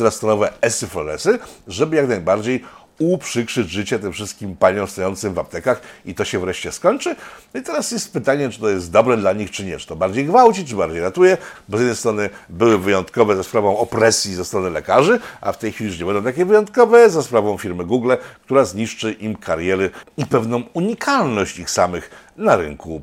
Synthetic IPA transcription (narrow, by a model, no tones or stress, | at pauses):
ɾast̪ɔnɔvɛɛsɘfɔlɛsɘʐɛbɘjaknajbaɾd͡ʑej | upʂɘkʂɘd͡ʑʐɘt͡ɕɛt̪ɘmfʂɘst̪kʲimpaɲɔ̃w̃st̪ɔjɔnt̪sɘmvap̚t̪ɛkaxit̪ɔɕɛvɾɛʂt͡ɕɛskɔɲʲt͡ʂɘnɔit̪ɛɾasjɛst̪̚pɘt̪aɲɛt͡ʂɨ̥t̪ɔjɛst̪̚d̪ɔbɾɛd̪laɲixt͡ʂɘɲɛt͡ʂɨ̥t̪ɔbaɾd͡ʑejɡvawt͡ɕit͡ʂɘbaɾd͡ʑejɾat̪ujɛbɔzjɛd̪ɛjst̪ɾɔnɘbɘwɘvɘjɔnt̪kɔvɛzaspɾavɔ̃w̃ɔpɾɛsʲjizɛst̪ɾɔnɘlɛkaʐɘʔa̰ft̪ɛjxfʲilʲiuʂ̬ɲɛbɛnd̪ɔ̃w̃t̪akʲɛvɘjɔ̃nt̪kɔvɛzaspɾavɔ̃w̃fʲiɾmɘɡuɡlɛkt̪uɾazɲiʂt͡ʂɘʔimkʰaɾjɛɾɘipɛvnɔ̃w̃uɲikʰalnɔɕt͡ɕt̪ɨxsamɘxnaɾɘ̰ŋku